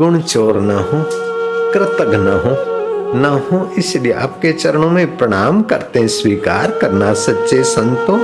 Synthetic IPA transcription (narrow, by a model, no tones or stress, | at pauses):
ɡʊɽ̃t͡ʃoːɾnaɦõːkɾɪt̪əɡnaɦõːnaɦõʔɪslieʔa̰ːp̚ket͡ʃɐɾəɽ̃õmẽpɾɐɽ̃aːmkɐɾt̪eɦɛ̃swiːka̰ːɾkɐɾnasɐtːt͡ʃesɐ̃nt̪õ